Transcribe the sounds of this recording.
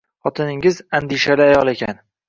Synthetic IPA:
χɒt̪ʰɪnɪŋɪzand̪ɪʃalɪajɒlˠe̞kʲʰan

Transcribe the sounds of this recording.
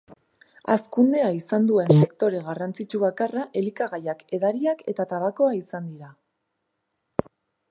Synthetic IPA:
a̰skund̪e̞aisand̪ue̞nse̞kt̪o̞ɾe̞ɣarant͡sit͡ʃuβakaraʔe̞likaɣajake̞ðaɾiake̞t̪at̪aβako̞aisand̪iɾa

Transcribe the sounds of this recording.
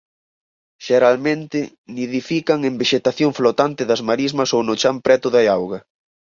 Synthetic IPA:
ʃeɾalmẽnt̪ɪ | niðifikɐŋembeʃet̪aθjoŋflot̪ant̪ɪðɐzmaɾizmɐsownʊt͡ʃampɾɛt̪ʊðaawɣɐ

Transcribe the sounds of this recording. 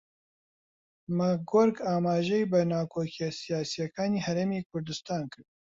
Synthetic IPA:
maɡoɾkaːmaːʒɛjbɨnaːkʰoːkʰijɛsijaːsijɛkaːniːhɐɾeːmiːkʰʊɾd̪ɨst̪aːnkɨɾd̪̚

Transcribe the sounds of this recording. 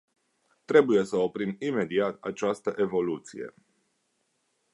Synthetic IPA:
t̪ɾe̞buje̞səopɾimime̞d̪iat̪a̰t͡ʃast̪əʔe̞vo̞lut̪sije̞̰

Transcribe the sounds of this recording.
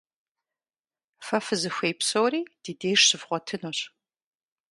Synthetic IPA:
fɐfɨzɨxʷejpsoːriːd̥iːdeːʂɕɨvʁʷɔtʰɨnoːɕ

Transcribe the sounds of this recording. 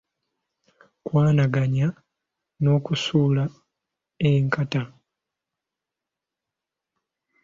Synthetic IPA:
kwaːnaɡaɲa | no̞kusula | eŋkata

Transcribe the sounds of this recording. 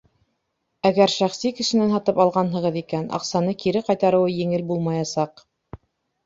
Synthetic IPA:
æɡæɾʃæχsikɘ̆ʃɘ̆nænɦɑt̪ɤpɑlˠʁɑnɦɤ̆ʁɤðikænʔɑ̰qsɑnɤkiɾɘqɑjt̪ɑɾɤ̆wɤjɘ̆ŋɘlbulˠmɑjɑsɑq

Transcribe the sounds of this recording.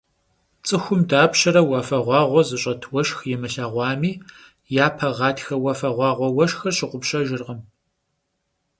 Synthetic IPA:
t͡sʼɨxʷʊmdaːpɕɐɾɐwɐfɐʁʷɑːʁʷɔzɨɕʼɐtʰwɐʃxjɛmɨɬaːʁʷɑːmiː | jaːpʰɐʁɑːtʰxɐwɐfɐʁʷɑːʁʷɔwɐʃxɐrɕɪqʷʊpɕʼɐʒɪrʁɐm

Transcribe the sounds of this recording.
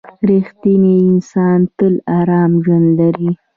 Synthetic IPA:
ɾixt̪iniɪnsɑnt̪əlɑɾɑmʒwand̪laɾi

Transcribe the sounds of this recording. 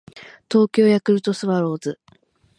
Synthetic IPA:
t̪o̞ːkʲo̞ːjakɯ̟ɾɯ̟t̪o̞sɨβaɾo̞ːzɨ

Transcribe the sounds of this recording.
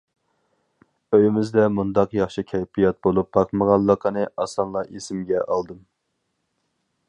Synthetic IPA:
øjɪmɪzd̪ɛmund̪ɑqjɑχʃɨkʲʰɛjpʰijɑt̪̚bolˠup̚b̥ɑqməʁɑlˠːəqʰənɨʔɑsɑnlˠɑʔesɪmɡʲɛʔɑlˠd̪ɨm

